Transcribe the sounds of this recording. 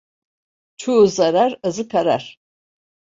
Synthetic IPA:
t͡ʃʰuzaɾaɾɯzɯkʰaɾa̰ɾ̥

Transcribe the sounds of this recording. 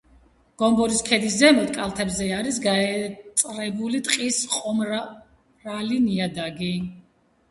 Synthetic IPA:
ɡ̥ɔmbɔɾiskʰɛd̪isdɛmɔt̪ʼkʼalˠt̪ʰɛbzɛaɾis̬ɡaɛt̪sʼɾɛbulit̪ʼqʼisqʼɔm | ɾaliniad̪aɡi

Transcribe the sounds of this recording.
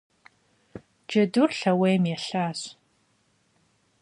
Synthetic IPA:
d͡ʒɐdurɬɐweːjmjɛɬaːɕ

